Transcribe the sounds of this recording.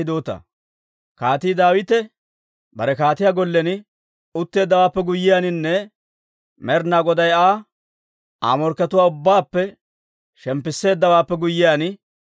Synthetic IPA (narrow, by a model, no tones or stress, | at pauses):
d̪oːt̪ɐ̰ | kaːt̪iːd̪aːwɪt̪ɛ | bɐɾɛkaːt̪ɪjaːɡɔlːɛnɪ | ʊt̪ːe̞ːd̪ːɐwaːpːɛɡʊjːɪjaːnɪnːɛ | mɛɾnaːɡɔd̪ɐjaː | a̰ːmɔɾkːɐt̪ʊwaːʊbːaːpːɛ | ʃɛmpːɪsːe̞ːd̪ːɐwaːpːɛɡʊjːɪjaːnɪ